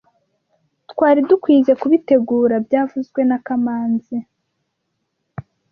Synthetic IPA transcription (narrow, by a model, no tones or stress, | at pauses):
tkwaːɾidukwiːze̞kuβite̞ɡuːɾabjaːvuzɡwe̞nakamaːnzi